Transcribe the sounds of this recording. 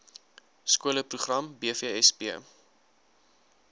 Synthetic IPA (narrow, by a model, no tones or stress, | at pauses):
skuələpruχrɐmbiəfiəɛspiə